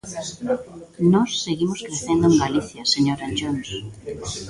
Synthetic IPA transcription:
nɔsːeɣimoskɾeθend̪ʊẽŋɡaliθjɐseɲoɾand͡ʒons

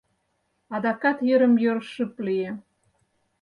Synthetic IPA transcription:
ɑd̪ɑkɑt̪jə̆ɾə̆mjøɾʃəplie

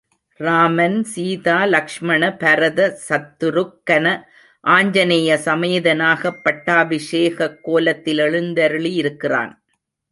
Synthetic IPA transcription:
ɾaːmɐnsiːðaːlɐkʂmɐɳɐpɐɾɐðɐsɐt̪ːɯɾɯkːɐnɐ | ʔaːɲd͡ʒɐnɛjɐsɐmɐjɐðɐnaːɣɐpːɐʈːaːbɪʂeːɣɐkːoːlɐt̪ːɪlɛɻɯnd̪ɐɾɯɭiɪɾɯkːɪra̰ːn

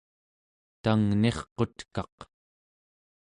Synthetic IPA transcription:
t̪aŋne̞χqo̞t̪kɑq

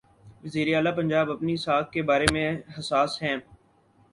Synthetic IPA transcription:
ʋəziːɾeaːlapɐ̃ɲd͡ʒaːbɐpniɪsaːkkebaːɾemẽɦɐsaːsɦɛ̃ː

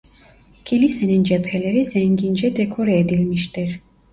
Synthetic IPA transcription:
kʰilisɛnɛnd͡ʒɛpʰɛlɛɾizɛŋɡind͡ʒɛd̪ɛkʰɔɾɛɛd̪ilmiʃt̪ɛɾ

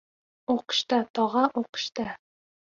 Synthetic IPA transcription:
uqɤ̥̆ɕt̪ɑt̪ɒʁɑʔuqɤ̥̆ɕt̪ɑ

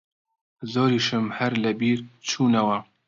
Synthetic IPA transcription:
zoːɾiːʃɨmhɐɾlɐbiːɾt͡ʃʰuːnɐwɐ

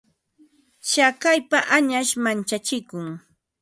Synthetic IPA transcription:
ʃakajpaʔaɲaʃmant͡ʃat͡ʃɪkʊŋ

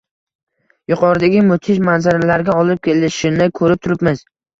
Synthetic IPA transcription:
jʊqʰɒɾɪd̪aɡʲɪmʊt̪ʰɪʃmanzaɾalaɾɡʲaɒlɪp̚kʲʰe̞lɪʃɪnɪjkʰɵɾɪp̚t̪ʰʊɾɪpmɪz

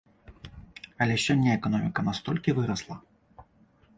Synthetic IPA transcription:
ɐlʲɛɕʲɔnʲːaɛkɔnɔmʲikɐnast̪ɔlʲkʲivɨɾɐslˠɐ

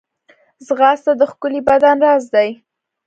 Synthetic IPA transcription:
zɣɑst̪ad̪əxkʊlibad̪anɾɑzd̪aj

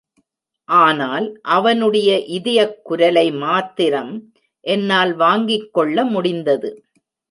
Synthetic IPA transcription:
ʔaːnaːlʔɐʋɐnɯɽɐjɐʔɪðɪjɐkːʊɾɐlɐɪmaːt̪ːɪɾɐm | ʔɛnːaːlʋaːŋɡɪkːɔɭːɐmʊɽɪnd̪ɐðɯ

